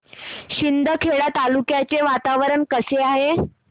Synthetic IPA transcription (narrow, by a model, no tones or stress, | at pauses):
ɕind̪ʱəkʰeɽat̪alukjat͡seʋat̪aʋəɾəɳkəseaɦe